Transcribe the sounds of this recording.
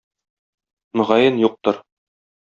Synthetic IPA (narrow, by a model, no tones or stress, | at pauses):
mɵ̆ʁɑjɤnjuq̚t̪ɤɾ